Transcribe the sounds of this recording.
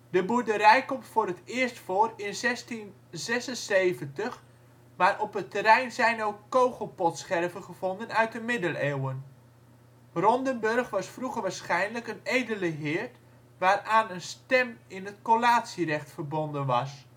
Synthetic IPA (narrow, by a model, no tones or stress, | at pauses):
dəbudəɾɛjkɔmtfʊːɾətɪːstfoːrɪnzɛstin | zɛsənsejvəntəχ | maːɾʔɔpətəɾɛjnzɛjnowkːowχəlˠpɔtsχɛrvənχəv̥ɔndənœɥt̚dəmɪdəleːwən | rɔndənbɵrχʋɑsfruχəʋaːɹsχɛjnləkənejdələɦɪːɹt | ʋaːraːnənstɛmɪnətkolaːtsirɛχtfərbɔndənʋɑs